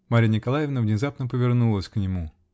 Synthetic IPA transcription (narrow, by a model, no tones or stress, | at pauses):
maɾʲənʲɪkɐlˠajɪvnəvnʲɪzapnəpəvʲɪrnulˠəsʲknʲɪmu